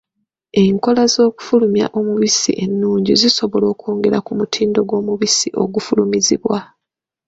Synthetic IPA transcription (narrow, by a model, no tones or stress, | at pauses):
e̞ŋko̞lazo̞ːku̥fulumja̰ʔo̞muβisḭʔe̞nːuːɲɟiziso̞βo̞lo̞ːkoːŋɡe̞ɾakumutʰiːndo̞ɡwo̞ːmuβisiʔo̞̰ɡufulumiziβwa